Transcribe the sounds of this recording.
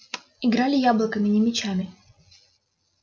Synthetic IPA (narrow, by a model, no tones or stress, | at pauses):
ɪɡɾalʲɪjablˠəkəmʲɪnʲɪmʲɪt͡ɕamʲɪ